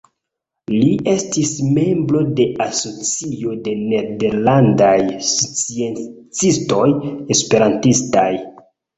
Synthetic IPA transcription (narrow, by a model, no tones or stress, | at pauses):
liʔe̞stisme̞mbɾo̞de̞aso̞t͡sio̞de̞ne̞de̞ɾlandajt͡sient͡sisto̞je̞spe̞ɾantistaj